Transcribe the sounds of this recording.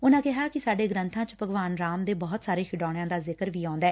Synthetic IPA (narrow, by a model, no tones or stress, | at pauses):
ʊnãːkɪɦaːkɪsaːɖeːɡɾə̃nt̪ʰãːt͡ʃpəɡʋaːnɾaːmd̪eːbɔːt̪saːɾeːkʰɪɖaːɽ̃jãːd̪aːzɪkəɾʋiːãːnd̪ɛː